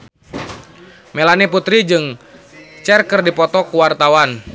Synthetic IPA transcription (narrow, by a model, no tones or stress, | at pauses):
mɛlaniput̪ɾid͡ʒɨŋ | t͡ʃɛrkɨrdipɔt̪ɔkuwart̪awan